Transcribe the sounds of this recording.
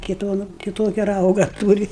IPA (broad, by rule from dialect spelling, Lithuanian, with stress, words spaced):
kɐɪ ˈduɔnʊ kʲɪˈtoːkʲɛ ˈrɐʊɡɐ ˈtuːrʲɪ